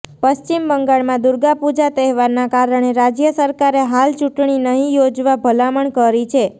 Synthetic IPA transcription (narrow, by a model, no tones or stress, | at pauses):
pəst͡ʃimbəŋɡaɭmãd̪ʊɾɡapud͡ʒat̪ɛɦʋaɾnakaɾəɳ̃eɾad͡ʒjəsəɾkaɾeɦalt͡ʃuʈɳinəɦĩjod͡ʒʋabʱəlaməɳkəɾit͡ʃʰe